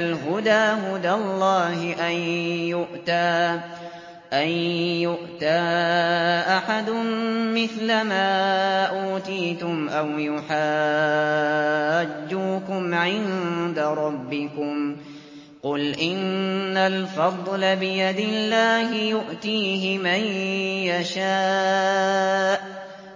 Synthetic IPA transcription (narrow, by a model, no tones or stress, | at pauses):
alɦʊd̪aːɦʊd̪alˤːɑːɦɪʔanjʊʔt̪aː | ʔanjʊʔt̪aː | ʔaħad̪ʊmmɪθlamaːʔuːt̪iːt̪ʊmʔawjʊħaː | d͡ʒːuːkʊmʕɪnd̪aɾˤɑbːɪkʊm | qʊlʔɪnːalfɑðˤlabɪjad̪ɪlːaːɦɪjʊʔt̪iːɦɪmajjaʃaː | ʔ